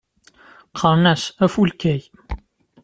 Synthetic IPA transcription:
qʰəɾˤnæsæfulkæj

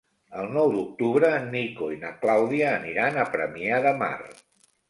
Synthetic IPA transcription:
əlˠnɔwd̪uk̚t̪uβɾənikoinəklawðiəːniɾanəpɾəmiaðəma̰r

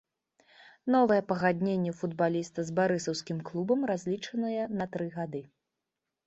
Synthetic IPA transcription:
nɔvɐjɛpɐɣad̪ʲnʲenʲːɛfud̪balʲist̪ɐzbaɾɨsɐwsʲkʲimklˠubɐmrazʲlʲit͡ʂɐnɐjɛnɐt̪ɾɨɣad̪ɨ

